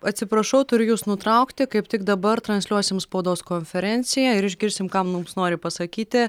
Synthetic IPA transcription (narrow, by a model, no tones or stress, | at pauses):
ɐt̪ʲsʲɪpɾɐʃɐʊt̪ʊɾʲʊjuːsnʊt̪ɾɐʊkt̪ʲɪkɐɪpt̪ʲɪɡd̪ɐbɐrt̪ɾɐnʲsʲlʲuɔsʲɪmspɐʊd̪oːskonʲfʲɛɾʲɛnʲt̪sʲɪjæɪɾɪʒʲɡʲɪɾʲsʲɪmkɐmnʊmsnoːɾʲɪpɐsɐkʲiːt̪ʲɪ